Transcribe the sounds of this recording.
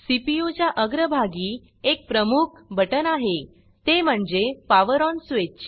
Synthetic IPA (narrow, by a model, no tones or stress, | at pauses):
sipijut͡ɕjaʔəɡɾəbʱaɡiː | ek̚pɾəmuk̚ʰbʱəʈənaɦe | t̪em̤əɳd͡zepaʋəɾɔnsʋet͡ɕː